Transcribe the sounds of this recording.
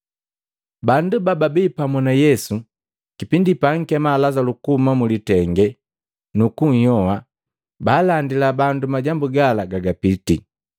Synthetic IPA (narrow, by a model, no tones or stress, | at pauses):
bandubababiːpamɔnajɛsu | kipindipaŋ̩kɛmalazalukumamulitɛŋɡɛ | nukuɲ̩jɔwa | baːlandilabandumaɟambuɡalaɡaɡapiti